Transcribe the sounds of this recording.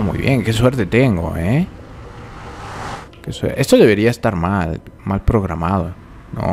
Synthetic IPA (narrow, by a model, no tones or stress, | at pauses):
mṵjβje̞ŋke̞swe̞ɾt̪e̞t̪e̞ŋɡo̞̰e | keswḛʔe̞st̪oðe̞β̞e̞ɾiaest̪aɾmalmalpɾo̞ɣɾamað̞o | no̰